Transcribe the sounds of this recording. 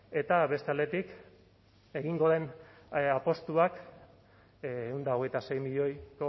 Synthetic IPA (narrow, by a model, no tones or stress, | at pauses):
e̞t̪aβe̞st̪e̞ald̪e̞t̪ik | e̞ɣiŋɡo̞ðe̞n | apo̞st̪uak | und̪ao̞ɣ̞e̞jt̪ase̞jmiʎo̞jko